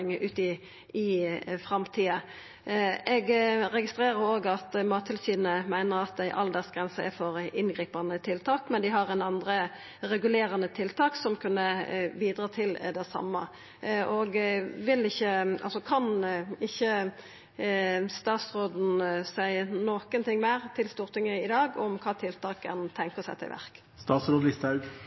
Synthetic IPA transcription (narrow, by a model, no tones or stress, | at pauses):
ŋʔʉːt̪ɪ | ɪfʁɑmt̪ʰiːɑ | ʔɛɡʁɛɡɪst̪ɾeːɾəɾoːɡɑt̪mɑːt̪ʰːɪlsiːd̪n̩əmæɪnəʁɑt̪̚d̪æɪʔɑld̪ɛsɡʁɛnsəɛ̰fɔʁʔɪnɡʁiːpɑnət̪ʰɪlt̪ʰɑːkmɛnd̪ɪɦɑʁɛnɑnd̪ɾə | ɾɛɡʉleːɾɑnət̪ʰɪlt̪ʰɑːksɔmkʰʉnːəbiːd̪ɾɑːt̪ʰɪld̪ɛsɑ̰mːə̰ | ʔoɡʋɪlɪçːəɑ̰lsɔkʰɑnɪçːə | st̪ɑːt̪sʁoːd̪n̩sæɪənoːkənt̪ʰɪŋːmæːʁt̪ʰɪlst̪uːʁt̪ʰɪŋəɪd̪ɑːɡɔmkʰɑːt̪ʰɪlt̪ɑːkənt̪ʰɛŋkəʁsɛ̰ɪt̪ʰɪ̰lʋæ̰ʁk | st̪ɑːt̪sɾoːd̪lɪst̪ɑʉɡ